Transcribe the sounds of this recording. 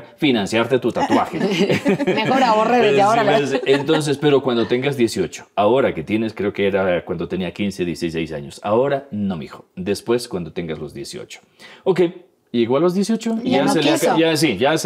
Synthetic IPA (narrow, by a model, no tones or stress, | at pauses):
finãnsjaɾt̪et̪ut̪at̪waxe | oɾaoreɾaoɾasent̪o̞ns̬e̞spe̞ɾo̞kwand̪o̞t̪e̞ŋɡazðje̞sio̞t͡ʃo̥ao̞ɾake̞t̪je̞ne̞skɾe̞okeeɾakwand̪ot̪e̞niakinse̞ðjesesejsa̰ɲo̞sa̰o̞ɾanomixo̥d̪e̞spwe̞skwand̪o̞t̪e̞ŋɡazlo̞zðje̞sio̰t͡ʃo̥okej | ʝeɣoalozðjesjot͡ʃoʝaselakas̬iʝas